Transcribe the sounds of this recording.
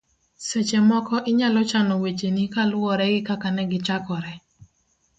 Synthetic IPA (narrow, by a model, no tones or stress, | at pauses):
set͡ʃɛmɔkɔʔɪɲalɔt͡ʃanɔwet͡ʃenikalʊɔɾɛɡɪkakanɛɡɪt͡ʃakɔɾɛ